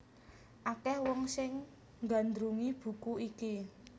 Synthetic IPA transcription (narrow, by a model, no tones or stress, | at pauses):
ʔakɛhwɔŋsɪŋ | ŋɡa̤nd̪ɾuŋib̥ṳkuiki